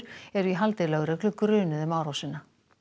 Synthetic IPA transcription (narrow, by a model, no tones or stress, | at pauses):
ɾ̥ɛɾiɦalt̪ejlɛɣʏɾœklʏkɾʏːnʏðɛmaːwɾawsɪnːa